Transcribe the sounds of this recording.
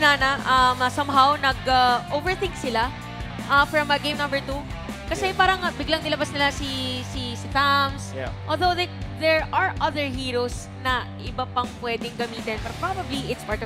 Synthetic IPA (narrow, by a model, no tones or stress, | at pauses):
nanɐʔɐmɐsɐmɦawnɐɡɐʔovɛɹθɪ̃ŋksɪla | ʔɐfɹɐmɐɡẽjmnɐ̃mbɛɹt̪u | kɐsɛpaːɾɐŋbɪɡlaŋnɪlɐbasnɪlasisisɪt̪amsʔolðowðɛðɛɹʔaɹʔɐðəɹɦiːɹows | nɐʔɪbapɐŋpwɛːd̪ɪŋɡɐmiːt̪ɛnpɛɾpɹabɐbliʔɪt̪spaɹt̪ɔ